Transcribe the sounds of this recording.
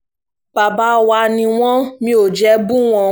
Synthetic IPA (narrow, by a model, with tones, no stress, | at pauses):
b̥a˨ba˨˦wa˧nĩ˧w̃ɔ̃˦mĩ˦o˨d͡ʒɛ˨˦bũ˦w̃ɔ̃˧